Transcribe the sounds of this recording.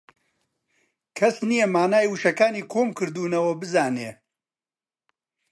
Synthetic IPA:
kʰɐsnijɐmaːnaːjwɨʃɐkaːniːkʰoːmkɨɾd̪uːnɐwɐbɨzaːneː

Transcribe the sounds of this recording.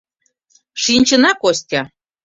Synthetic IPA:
ʃinʲt͡ɕənɑkosʲtʲɑ

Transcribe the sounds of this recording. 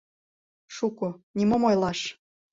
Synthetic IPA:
ʃukonʲimomojlˠɑʃ

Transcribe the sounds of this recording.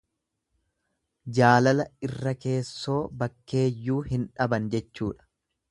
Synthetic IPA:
d͡ʒaːlɐlɐɪrːɐke̞ːsːo̞ːbɐkːe̞ːjːuːhɪnᶑɐbɐnd͡ʒɛt͡ʃːuːᶑɐ̥

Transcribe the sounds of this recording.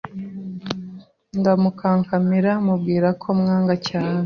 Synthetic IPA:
ŋɡamukʰaːŋkamiɾamub̚ɡiːɾakʰo̞mŋaːŋɡacaːne

